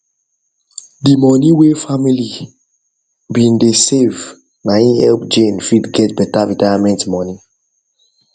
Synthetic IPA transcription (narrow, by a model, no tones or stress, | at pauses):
dimɔniwefamili | bĩndesev | naĩɛlpd͡ʒẽnfidɡɛtbɛtaɹitajamɛ̃ntmɔni